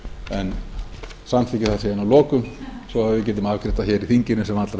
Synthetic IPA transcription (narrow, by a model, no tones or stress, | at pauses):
ɛn | samθʰɪcɪθḁenawlɔːkʏmsɔavɪcɛt̪̬ʏmavkʰɾɪt̪açɛːɾiθiɲcɪnʏsɛmat̪laɾ